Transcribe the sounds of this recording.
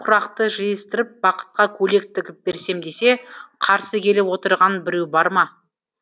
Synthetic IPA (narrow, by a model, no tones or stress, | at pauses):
qʰʊɾɑqt̪əʒijɪst̪ɪɾɪp̚bɑqə̥t̪̚qɑkʲʰɵle̞k̚t̪ʰɪkʲɪp̚be̞ɾse̞md̪e̞se̞qʰɑɾsəkʲʰe̞lewo̞t̪əɾʁɑnbɪɾewbɑɾmɑ